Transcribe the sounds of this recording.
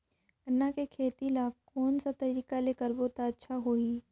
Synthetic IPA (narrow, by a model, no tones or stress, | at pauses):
ɪnːakekʰeːt̪ilaːkoːnsat̪ɐɾiːkaleːkəɾboːt̪aətːʃʰaɦoiː